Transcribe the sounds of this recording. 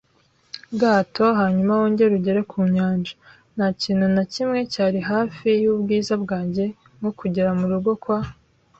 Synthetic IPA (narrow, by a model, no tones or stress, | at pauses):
ɡaːtʰo̞ɦaːɲumawoːɲɟe̞ɾuɟe̞ɾe̞kʰuːɲaːnʒḁ | n̥aciːnhunacimŋe̞caːɾiɦaːfijubɡiːzabɡaːɲɟe̞ | mŋokuɟeɾamuɾuɡo̞kwa